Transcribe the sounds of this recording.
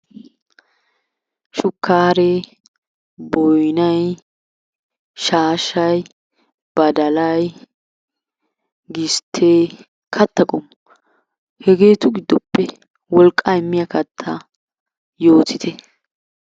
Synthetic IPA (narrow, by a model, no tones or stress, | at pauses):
ʃʊkːaːɾe | bɔjnɐj | ʃaːʃɐj | b̥ɐd̪ɐlɐj | ɡɪst̪ʰːeː | kʰɐt̪ːɐkʼɔm | hɛɡe̞ːt̪ʊɡɪd̪ːɔpːɛ | wɔlkʼːɐɪmːɪjɐkɐt̪ʰːɐ | jo̞ːt̪ɪt̪ʰɛ